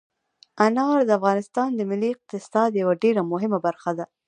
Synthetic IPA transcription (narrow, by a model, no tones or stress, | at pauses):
anɑɾd̪əafɣɑnɪst̪ɑnd̪əmɪlːiɪq̚t̪ɪsɑd̪jawaɖeɾamʊɦɪmabaɾxad̪a